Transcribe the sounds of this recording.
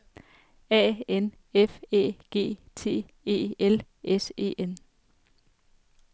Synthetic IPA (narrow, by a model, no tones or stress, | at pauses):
ɛ̰ːen | efe̝̰ːɡ̥e̝̰ːt͡sʰe̝̰ː | e̝̰ːel | ʔese̝̰ːʔen